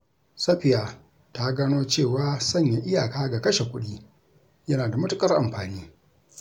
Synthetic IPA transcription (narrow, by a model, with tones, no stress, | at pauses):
sɐ˦ɸɪ˨jaː˨ | ta˦ɡaː˦noː˦t͡ʃeː˦˨waː˦sɐ˦˨ɲja˨ʔɪ˦jaː˨kaː˦ɡa˨kɐ˦ʃe˨kʷʊ˦ɗiː˦ | jɐ˦naː˨da˨mʊ˦tʊ˦kʼɐ˦rʔa̰˨mɸaː˨niː˦